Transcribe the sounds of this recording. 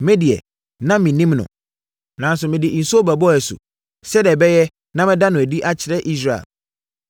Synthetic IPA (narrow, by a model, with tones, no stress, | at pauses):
mɪ̃˦di˨ɛ̰˨ | nã˦mɪ̃˨nĩ˦mnʊ̰̃˨ | nã˨˦n˦s̬ʊ˨mɪ̃˨dɪ˨n̩˨su˦o˦bæ˨bɔ˦æ˨sṵ˨ | sɛ˦dɛ˨bɛ˦jɛ˦ | nã˦mɪ̃˦da˦nʊ̃˨æ˨di˦ʔa˦t͡ɕʰɪ˨ɾɛ˦ʔi˦s̬ɾa˨ḛ˨